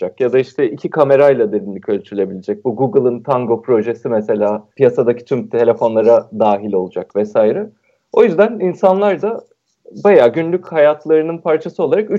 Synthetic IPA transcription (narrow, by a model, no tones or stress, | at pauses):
akjad̪aiʃt̪ʰɛicʰikʰame̞ɾajlˠad̪eɾinlʲicʰølʲt͡ʃ̪ʰyɾylʲe̞bilʲed͡ʒɛc̚buɡuɡɯlˠɯnt̪ʰaŋɡo̞pɾo̞ʒe̞simɛse̞lʲaːpʰijasad̪acʰi̥t͡ʃʰymt̪ʰe̞lʲefo̞nlˠaɾad̪aːɦilʲo̞lˠud͡ʒakvɛsaːjɾɛ | o̞jyzd̪æninsanlˠaɾd̪a | bajaːɟynlʲychajat̪ʰlˠaɾɯnɯnpʰaɾt͡ʃʰasɯo̞lˠaɾaky